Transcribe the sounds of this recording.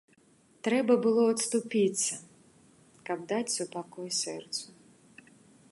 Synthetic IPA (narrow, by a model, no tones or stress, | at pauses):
t̪ɾɛbɐbɨlˠɔɐt̪st̪upʲit̪sʲɐ | kɐb̚d̪at͡sʲsupakɔjsʲɛrt̪su